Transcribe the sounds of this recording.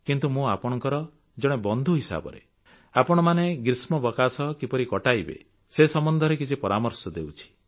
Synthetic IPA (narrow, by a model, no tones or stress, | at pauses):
kint̪umũapɔɽ̃ɔŋkɔɾɔ | d͡ʒɔɽ̃ebɔnd̪ʱuɦisa̰bɔ̰ɾḛ | apɔɽ̃ɔmaneɡɾismɔbɔkasɔkipɔɾikɔʈajbḛ | sesɔmɔnd̪ʱɔɾekit͡ʃʰipɔɾamɔɾsɔd̪eut͡ʃʰi̥